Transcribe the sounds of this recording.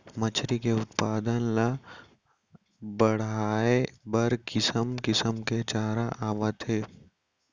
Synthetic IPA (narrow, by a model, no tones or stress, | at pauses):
mɐt͡ʃʰɾikeʊt̪paːd̪ənla | bɐɽ̤aːebɐɾkɪsəmkɪsəmket͡ʃaːɾaʔaːʋət̪ʰeː